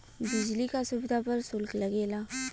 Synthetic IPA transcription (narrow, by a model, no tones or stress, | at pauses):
bɪd͡ʒlikasʊbd̪apɐɾsʊlklɐɡeːlaː